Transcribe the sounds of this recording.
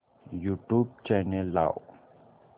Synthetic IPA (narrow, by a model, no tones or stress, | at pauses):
juʈup̚t͡ɕanɛlːa̰w